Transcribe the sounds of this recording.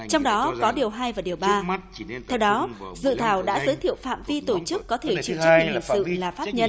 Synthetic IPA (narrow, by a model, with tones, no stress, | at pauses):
t͡ɕɔ˧wŋ͡mɗɔ˨˦kɔ˨˦ɗi˨˩əwɦaː˧jvaː˨˩ɗi˨˩əwɓaː˧ | t̪ʰɛ˧wɗɔ˨˦zɨ̰˧˨t̪ʰaː˧˩wɗa̰ː˧˥zəː˨˦jt̪ʰḭ˧˨ə˨wfa̰ː˧˨mvi˧t̪o˧˩t͡ɕɨ˦˥kːɔ˨˦t̪ʰe˧˩t͡ɕi˧˩˨ɨ˦˥˨hḭ˧˨nsɨ̰˧˨laː˨˩faː˦˥t̚ɲə˧n